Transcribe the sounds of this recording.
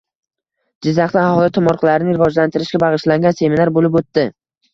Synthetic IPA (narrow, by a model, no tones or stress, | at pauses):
d͡ʒɪzːɑχt̪aahɒlˠɪt̪ʰʊmɒɾqʰɨlaɾɪnɪɾɪvɒd͡ʒlant̪ʰɪɾɪʃɡʲabɑʁɨʃlaŋɡʲanse̞minaɾbolɪp̬ot̪ːɪ